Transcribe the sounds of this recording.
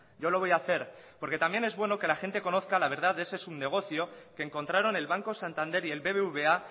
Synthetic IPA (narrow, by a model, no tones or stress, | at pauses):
ɟ͡ʝo̞lo̞β̞o̞jaθe̞ɾpo̞ɾke̞t̪ambje̞ne̞zβwe̞no̞ke̞laxe̞nt̪e̞ko̞no̞θkalaβ̞e̞ɾð̞aðe̞se̞suβne̞ɣ̞o̞θjo̞keːŋko̞nt̪ɾaɾo̞ne̞lβaŋkosant̪ãnd̪e̞ɾie̞lβe̞βeuβe̞a